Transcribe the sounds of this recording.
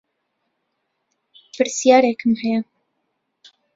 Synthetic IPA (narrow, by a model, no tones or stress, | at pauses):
pɨɾsijɑːɾeːkʰɨmhɛjɐ